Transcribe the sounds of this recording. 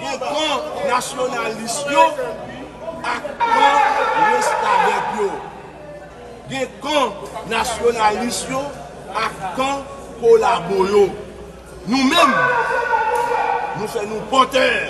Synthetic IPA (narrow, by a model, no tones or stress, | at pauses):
ɡẽkãnasjonalisjo | akãwẽst̪abɛkjo | ɡẽkãnasjonalisjo | akã | kolabojo | nũmɛ̃m | nũfɛnũpɔ̃t̪ɛ̃